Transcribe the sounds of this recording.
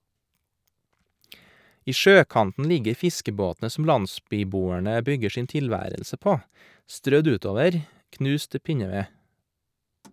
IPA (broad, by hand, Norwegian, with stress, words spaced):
ˈiː ˈʃøːˌkɑntn̩ ˈlɪɡəɾ ˈfɪskəˌboːtnə sm̩ ˈlɑnˌsbyːˌbuːəɳə ˈbʏɡə ˈʃiːn tɪlˈʋæːɾəlsə ˈpoː ˈstɾœd ˈʉːˌtoːʋəɾ ˈknʉːs ˈtɪ ˈpɪɲəˌʋeː